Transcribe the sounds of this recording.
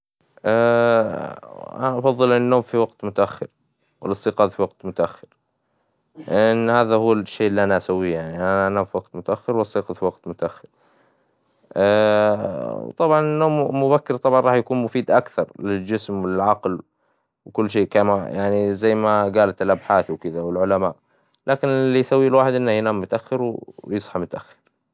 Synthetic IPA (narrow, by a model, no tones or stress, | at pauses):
ʔa | ʔa̰naʔɑfɑðˤːɨlʔɪnːoːmfiwaɡt̪mʊt̪aʔaxːɪɾ | wɪlɑsˤːiːqɑːðfiwɑɡ̚t̪mʊt̪aʔaxːɪ̥ɾ | ʔɪnːhaːðahuːʃːeːʔɪlːiʔanaʔasawːijaʕniʔanaʔanaːfiwɑɡt̪mʊt̪aʔaxːɪɾwlɑsˤːiːqɑfiwaɡt̪mʊt̪aʔaxːɪɾ | ʔ | wt̪ˤɑbʕɑnɪnːoːmmːʊbakːɪɾt̪ˤɑbʕɑnˤɾˤɑːħjakuːnmʊfiːd̪ʔakθɑɾˤlɪld͡ʒɪsmwɪɪlʕɑql | wkʊlːʃ̬eːkamajaʕnizajːmaɡaːlat̪ɪlʔabħaːθwkɪd̪awɪlʕʊlamaːʔ | laːkɪnɪlːijsawːilwaːħɪd̪ʔɪnːahjnaːmːʊt̪aʔaxːɪɾwjɨsˤħɑmʊt̪aʔaxːɪ̥ɾ